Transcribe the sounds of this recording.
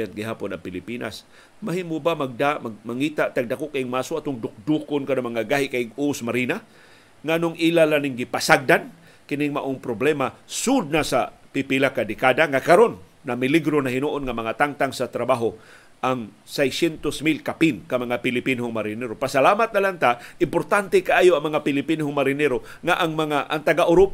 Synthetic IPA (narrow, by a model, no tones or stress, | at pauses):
ant̪̚ɡɪɦaːpʊnaŋpɪlɪpina̰s | maɦimʊbamaɡ̚damaɡmaŋiːt̪aʔt̪aɡ̚d̪akoʔkaiŋmaːsoat̪ʊŋd̪ʊk̚d̪ukʊnkanamaŋaɡaɦɪʔkaɪɡusmaɾina | ŋanʊŋilalanɪŋɡɪpasaɡ̚d̪an | kɪnɪŋmaʔoŋpɾoblɛmasud̪̚nasa | pɪpilakad̪ɪkad̪aŋakaɾonːamɪliɡɾonahɪnuʔonŋamɐŋat̪aŋt̪aŋsat̪ɾabaɦo | ʔaŋ | sɛjsɛnt̪osmilkapinkamɐŋapɪlɪpinʊŋmaɾɪnɛɾopasalaːmat̪̚nalant̪aʔɪmpoɾt̪ant̪ɛkaʔaːjoʔɐŋmɐŋapɪlɪpinhʊŋmaɾɪnɛɾo | ŋaʔaŋmaŋaʔaŋt̪aɡaʔʊɾop